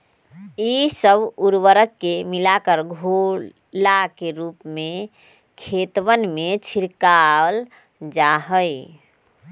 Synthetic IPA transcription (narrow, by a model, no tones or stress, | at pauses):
isəbuɾwəɾəkːemilakəɾɡʱo | lakeɾupme | kʰet̪wənmet͡ʃʰiɾkal | d͡ʒaɦəi